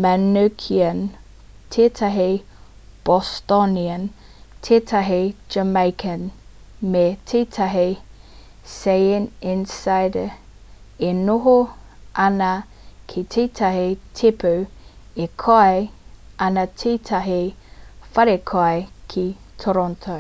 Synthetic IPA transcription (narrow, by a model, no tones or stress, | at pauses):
manokʰiən | tʰetʰaɦe | b̥ɔstɔniən | tʰetʰaɦed͡ʒəmaɪkʰən | metʰetʰaɦe | sejɪnɪ̃nsaɪd | enoɦo | ʔɐnɐ | kʰetʰetʰɐɦetʰepʰə | ekʰoa | ʔɐnɐtʰetʰaɦefɐɾekʰoajkʰit̪ʰoɾɔntʰo